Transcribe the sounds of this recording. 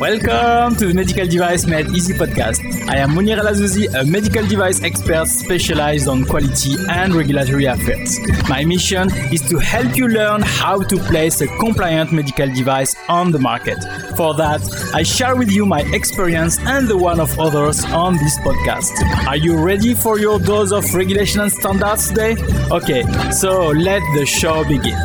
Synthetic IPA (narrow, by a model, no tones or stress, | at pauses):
wɛlkɔ̃mtuðəmɛdikaldivajsmɛdizipɔd̚ka̰stʔa̰jãmːuniʁalazuziʔəmɛdikaldivajsɛkspɛɹtspɛʃalajzdɔ̃nkwalitʰiɛ̃ndɹɛɡjulatɔɹiafɛ̰ɹtsmajmiʃɔ̃niz̥tuhɛlpjulɜ˞nhawtuplejsəkɔ̃mplajə̃ntmɛdikaldivajs | ɔ̃nðəma̰ɹkɛt | fɔ˞ðætajʃɛɹwiðjumajʔɛkspiɹiə̃nsɛ̃nðəwãnɔvɔðə˞zɔ̃nðispɔd̚ka̰stajuɹɛdifɔɹjɔ˞ðozɔfɹɛɡjuleʃɔ̃nɛ̃nstɑ̃ndaɹdstdeʔokesolɛt̪̚ðəʃobiɡɪ̰̃n